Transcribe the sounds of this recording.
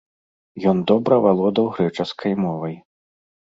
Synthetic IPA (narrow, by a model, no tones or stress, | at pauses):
jɔnd̪ɔbɾɐvalˠɔd̪ɐwɣɾɛt͡ʂɐskʰɐjmɔvɐj